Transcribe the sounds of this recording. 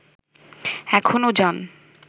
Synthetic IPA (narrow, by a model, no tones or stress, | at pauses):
ɛkʰonod͡ʑan